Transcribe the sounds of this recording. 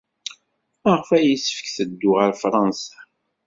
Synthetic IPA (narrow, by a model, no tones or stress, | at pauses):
əʁfæjisəfə̥kθəd̪ːʊʁəɾfɾˤɑnsḁ